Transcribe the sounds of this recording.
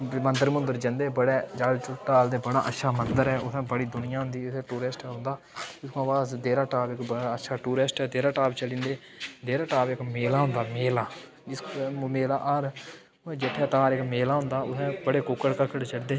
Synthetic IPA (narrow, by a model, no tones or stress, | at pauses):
mənd̪əɾmʊnd̪əɾd͡ʒənd̪eːbəɽeːd͡ʒaːlʈaːld̪eːbəɽa̰ːʔətːʃʰaːmənd̪əɾɦɛːʊsɛ̃ːbəɽiːd̪ʊnɪjãːɦʊ̃nd̪iːʊsɛ̃ːʈuːɾesʈɛːɦʊ̃nd̪aː | d͡ʒɪskõaʋaːzd̪eːɾaːʈaːbɪkbəaətːʃʰaːʈuːɾesʈɛːd̪eːɾaːʈaːbt͡ʃəlĩːnd̪eː | d̪eːɾaːʈaːpɪkmeːlaːɦʊ̃nd̪aːmeːlaː | d͡ʒɪskmeːlaːʔəɾ | d͡ʒɪʈ̪ʰːɛ̃ːʈaːɾɪkmeːlaːɦʊ̃nd̪aːʊsɛ̃ːbəɽeːkʊkːəɽkəkːəɽt͡ʃəɽd̪eː